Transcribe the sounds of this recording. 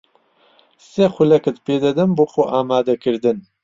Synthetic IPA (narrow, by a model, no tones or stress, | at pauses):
sexʷʊlɛkɨt̪peːd̪ɐd̪ɨmbuːxoʔaːmaːd̪ɐkʰɨɾd̪ɨn